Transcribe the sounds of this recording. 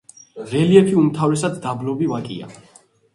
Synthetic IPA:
ʁɛliɛpʰiumt̪ʰavɾɛsad̪d̪ablɔbivakʼḭa̰

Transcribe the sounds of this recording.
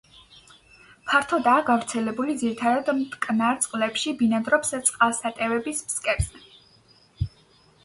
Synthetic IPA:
pʰaɾt̪ʰɔd̪aːɡavɾt̪sʰɛlɛbulid̪ziɾit̪ʰad̪ad̪mt̪kʼnaɾt̪sʼqʼlɛpʃibinad̪ɾɔpst̪sʼqʼalˠsat̪ʼɛvɛbismskʼɛɾzɛ

